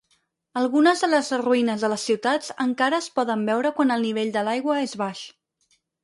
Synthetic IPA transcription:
əlˠɣunəzðələzruinəzðələsːiwt̪ad͡zəŋkaɾəːspɔðəmbɛwɾəkwanəlˠniβeʎʲd̪əlajɣwəezβaʃ

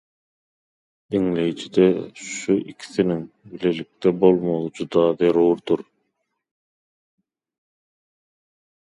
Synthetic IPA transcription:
d̪iŋlejt͡ʃʰid̪eʃuʔikʰi̥θiniŋ | bilelik̚t̪ɛbolˠmolˠd͡ʒud̪ɑːðeɾuːɾd̪uɾ

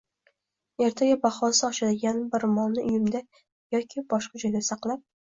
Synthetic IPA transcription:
e̞ɾt̪ʰaɡʲabaχɒsaɒʃad̪ɪɡʲanbɪɾmɒlˠnɪʊjɪmd̪a | jɒkʲʰɪbɒʃqɑd͡ʒɒjd̪asɑqlˠap̚

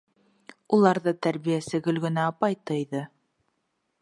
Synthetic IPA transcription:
ulˠɑɾðɤt̪æɾβijæsɘɡɵ̆lɡɵ̆næɑpɑjt̪ɤjðɤ

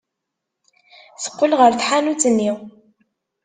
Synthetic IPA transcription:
θə̥qːəlʁəɾθħanut͡sːənːiw

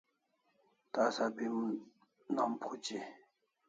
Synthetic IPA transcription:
t̪asapim | nɑmpʰot͡ɕi

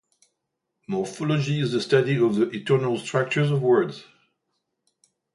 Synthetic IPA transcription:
mɔɹfɔləd͡ʒiɪzðəstʌɾiʌvðiʔɪtʰɜ˞nəlˠstʰɹ̥ak̚t͡ʃə˞zəvwɜ˞dz̥

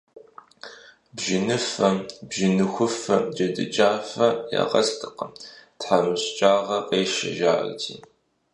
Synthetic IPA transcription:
bʒɪnɨfɐbʒɪnɨxʷʊfɐd͡ʒɐdɨ̰t͡ʃʼaːfɐja̰ʁɐstʰɨqəmtħamɨɕt͡ʃʼaːʁɐqeːʃɐ̰ʒa̰ːrtʰiː

